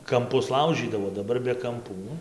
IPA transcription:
kɐmˈpʊs ˈlˠɐʊʒʲiːdɐʋoː dɐˈbɐr bʲɛ kɐmˈpuː

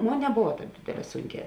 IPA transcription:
ˈmoːn nʲɛˈboːʋɐˈtɑːp ˈdʲeːdʲeːˌlʲɛː ˈsʊŋʲˌkʲɛː

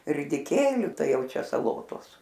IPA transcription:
rʲɪdʲɪˈkʲeːlʲʊ ˈtɐɪ ˈjɛʊ t͡ʃʲɛ sɐˈlˠoːtoːs

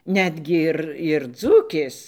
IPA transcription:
ˈnʲæːdʲɡʲɪ ˈɪr ɪr ˈd͡zuːkʲeːs

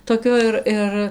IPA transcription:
toːˈkʲoː ɪr ˈɪr

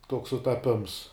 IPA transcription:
toːks sʊtɐˈpʲɪms

